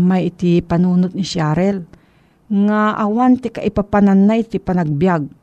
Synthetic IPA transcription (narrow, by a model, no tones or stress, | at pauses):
majɪt̪ɪpanuːnʊt̪̚nɪʃaːɾɛl | ŋaʔawant̪ɪkaʔɪpapananːat̪ipanaɡ̚bjaɡ̚